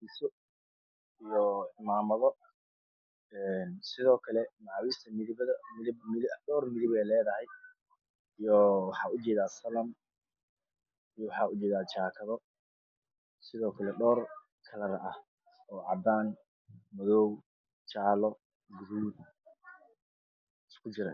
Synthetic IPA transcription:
ɪsʊ | ijɔɪmaːmɐðɔ | ɛnsɪðɔːkʰɐlɛmaːwist̪ʰɐmɪðɪbɐðɐmɪbmɪɖɔːrmɪðɪβɛjlɛːðɐhɛj | ijɔwɑħɑːʊt͡ʃɛːðaːsɐlɐm | ijwɑħɑːʊt͡ʃɛːðaːt͡ʃaːkʰɐðɔ | sɪðɔːkʰɐlɛɖɔːr | kʰɐlɐɾɐʔɐh | ɔːʕɑ̰d̪aːn | mɐðɔw | t͡ʃaːlɔ | ɡʊɾuːd̪ | ɪskʰʊt͡ʃɪɾɐ̰

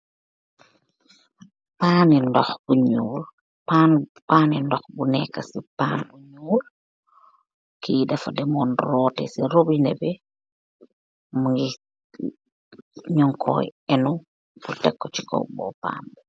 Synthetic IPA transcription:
paːnindɔxbuɲuːl | panpaːnindɔxbunɛkːɐsipaːnbuɲuːl | kidɐfɐdɛmɔnrɔːtɛ̰siɾobinɛbɛ | muŋɡi | ɲɔŋkʰɔ̰jɛnu | butɛkːɔt͡ʃi̥kɔ̰bɔ̰pa̰ːnbɛ

